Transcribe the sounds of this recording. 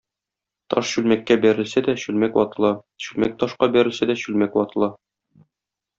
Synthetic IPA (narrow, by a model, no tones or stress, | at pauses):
t̪ɒ̰ʃɕʉlmækːæbæɾɘ̆lsæd̪æɕʉlmækwɒt̪ɤ̆lˠɑ | ɕʉlmæk̚t̪ɒʃqɑbæɾɘ̆lsæd̪æɕʉlmækwɒt̪ɤ̆lˠɑ